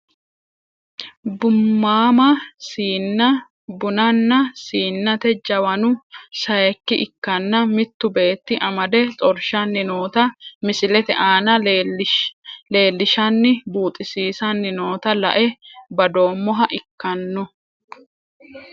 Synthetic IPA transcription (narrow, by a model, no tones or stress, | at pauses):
bʊmːaːmɐsiːɐ | bʊnɐnːɐsiːnːɐt̪ɛd͡ʒɐwɐnʊsɐjɛkːɪʔɪkːɐnːɐmɪt̪ːʊbe̞ːt̪ːɪʔɐmɐd̪ɛt͡sʼɔɾʃɐnːɪnoːt̪ɐmɪsɪlɛt̪ɛʔaːnɐ | le̞ːlːɪʃɐnːɪbuːt̪ʼɪsiːsɐnːɪno̞ːt̪ɐlɐ̰ʔɛbɐd̪o̞ːmːɔɦɐʔɪkːɐnːʊ